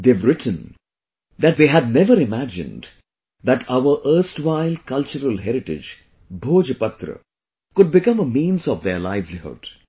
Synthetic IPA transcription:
d̪eːʋɾɪʈʰə̃n | d̪æʈ̚d̪eːɦædnɛʋəɾɪmæd͡ʒɪ̰̃nd | d̪æʈʰaʊəɾʔəɾsʈʋaɪlkʌlt͡ʃəɾəlɦɛɾɪʈɪ̰d͡ʒ | bʱoːd͡ʒəpʌt̪ɾə̰ | kʊɖ̚bɪkʌ̃məmĩːnzɔʋd̪əɾlaɪʋlihʊ̰ɖ̥

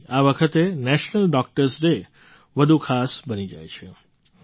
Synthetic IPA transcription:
aʋəkʰət̪enɛʃnəlɖɔk̚ʈəɾsɾe | ʋəd̪ʱukʰasbənid͡ʒa̰jt͡ʃʰe

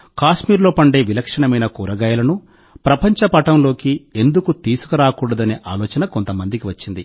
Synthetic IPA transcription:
kaːʂmiːɾlo̞ːpɐɳɖe̞ːʋilɐkʂɐɳɐmɐjnɐkuːɾɐɡaːjɐlɐnu | pɾɐpɐɲt͡ʃɐpɐʈɐmlo̞ːkie̞nd̪ukut̪iːsu̥kɐɾaːkuːɽɐd̪ɐneːʔaːlɔːt͡ʃɐnɐkont̪ɐmɐnd̪ikiʋɐt͡ʃːind̪i

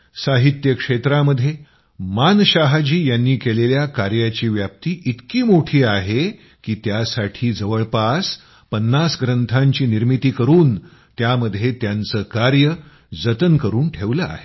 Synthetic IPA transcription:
saɦit̪jəkʂet̪ɾaməd̪ʱje | manɕaɦad͡ʑiːjanːiːkeleljakaɾjat͡ɕiːʋjap̚t̪iːʔit̪kiːmoʈʰiːaɦe | kiːt̪jasaʈʰiːd͡zəʋəɭpas | pənːasɡɾənt̪ʰaɲt͡ɕiːniɾmit̪iːkəɾuːn | t̪jaməd̪ʱjet̪jant͡səːkaɾjə | d͡zət̪ənkəɾuːnʈʰeʋləa̰ɦe

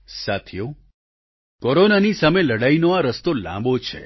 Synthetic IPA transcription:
sat̪ʰjo | koɾonanisameləɽainoaɾəst̪olã̰mbot͡ʃʰḛ

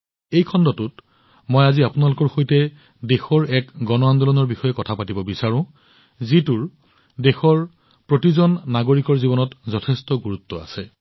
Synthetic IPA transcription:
ejkʰɔndɔtʊt | mojaziapunalʊkɔɹxojtɛ | dexɔɹɛkɡɔnɔandɔlɔnɔɹbixɔjɛkɔtʰapatibɔbisaɹʊ̃ | zituɹ | dexɔɹ | pɹotizɔnːaɡoɹikɔɹzibɔnɔtzɔtʰɛstɔɡuɹutːɔa̰sɛ

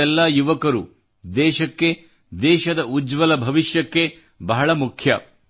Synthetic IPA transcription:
ɛlːajuʋɐkɐɾu | d̪ɛːʃɐkːe̞ | d̪ɛːʃɐd̪ɐud͡ʒʋɐlɐbʱɐʋiʃjɐkːe̞ | bɐɦɐɭɐmukʰjɐ

